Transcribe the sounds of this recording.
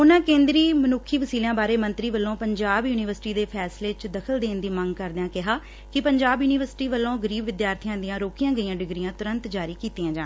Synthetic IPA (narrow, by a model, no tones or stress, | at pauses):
ʊnãːkẽːnd̪ɾiːmənʊkʰːiːʋəsiːljãːbaːɾeːmə̃nt̪ɾiːʋəlːõːpəɲd͡ʒaːbjuːnɪʋəɾsɪʈiːd̪eːpʰɛːsleːt͡ʃd̪əkʰəld̪eːnd̪iːməŋɡkəɾd̪ãːkɪɦaː | kɪpəɲd͡ʒaːbjuːnɪʋəɾsɪ̥ʈiːʋəlːõːɡəɾiːbʋɪd̪jaːɾt̪ʰɪjãːd̪ɪjãːɾoːkijãːɡəiːãːɖɪɡɾijãːt̪ʊɾənt̪d͡ʒaːɾiːkiːt̪iːãːd͡ʒaː